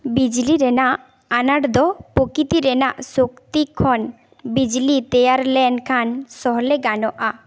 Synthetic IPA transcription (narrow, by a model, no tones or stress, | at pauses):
bid͡ʒliɾɛnaʔ | anaɽd̪ɔpokit̪iɾɛnaʔsokt̪ikʰːɔn | bid͡ʒlit̪ejaɾlɛnkʰansɔɦleɡanɔʔa